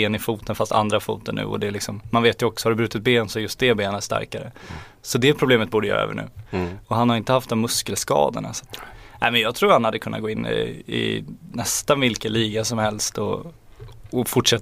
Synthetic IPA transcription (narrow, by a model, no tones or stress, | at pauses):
eːnɪfuːt̪ənfast̪ʰa̰nd̪ɾafṵːt̪ənːʉ̟̰ːɔ̰d̪ɛːlɪksɔmːanveːt̪jɵɔksɔ̥haɾɵbɾʉ̟t̪ɪt̪̚beːnsɔjɵst̪̚d̪ɛbeːnənæʂt̪a̰ɾkaɾə | sɔd̪ɛpʰɾʊbleːmət̪̚buːɖəjœ̰ːɾɛ̰ːvə̰ɳʉ̟ːɔɦanhaɾɪnt̪əhaft̪d̪ɔmːɵskəlskɑ̰ːd̪ə̰ɳa̰sḁt̪ːnʔɛ̰ːmɛnjɑːɡt̪ʰɾuːɾhanhad̪ːəkʰɵnːaɡoːɪnːɪ̰nɛst̪anvɪlkəliːɡasɔmhɛlst̪ɔː | fʊʈːʂɛt̪ː